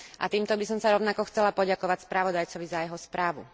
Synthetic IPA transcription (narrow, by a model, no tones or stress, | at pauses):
ʔa̰t̪iːmt̪ɔbisɔmsaɾɔʊnakɔxt͡sɛlapɔɟakɔʋacspɾaʋɔd̪ajt͡sɔʋizajɛɦɔspɾaːʋṵ